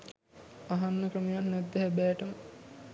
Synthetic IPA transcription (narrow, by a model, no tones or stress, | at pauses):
aɦanːəkrəmijannɛd̪ːəhɛbæːʈəmə